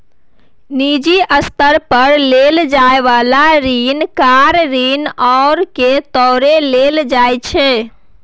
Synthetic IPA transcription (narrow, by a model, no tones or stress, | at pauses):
nid͡ʒiʔəst̪əɾpəɾleld͡ʒaeʋalaɾinkaɾɾinɔːɾket̪ɔːɾeleld͡ʒajt͡ʃʰe